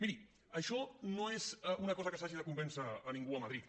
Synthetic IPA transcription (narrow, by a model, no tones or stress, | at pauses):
miɾi | əʃɔnoezunɐkɔzəkəsaʒiðəkumbɛnsəːnĩŋɡuəməðɾit̪